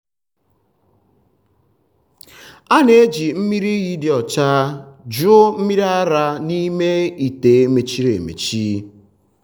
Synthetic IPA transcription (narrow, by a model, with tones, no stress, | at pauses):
a˦ne˨e˦d͡ʒi˨m̩˦mi˦ɾi˦ɣi˦dɪ˨ɔ˨t͡ʃa˦d͡ʒʊ˦m̩˦mi˦ɾa˦ɾa˦ni˦me˦i˨te˨˦me˨t͡ʃi˦ɾḛ˨mḛ˨t͡ʃi˦